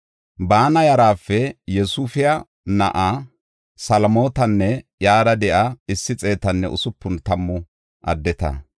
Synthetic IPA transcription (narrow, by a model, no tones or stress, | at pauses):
baːnɐjɐɾaːfːɛjɛsufɪjɐ | nɐ̰ʔa | sɐlmo̞ːt̪ɐnːɛjaːd̪ɐd̪ɛʔɐɪsːɪt͡sʼe̞ːt̪ɐnːɛ̰ʔʊ̰sʊpːʊnt̪ɐmːʊ | ʔɐ̰d̪ːɛt̪ɐ̰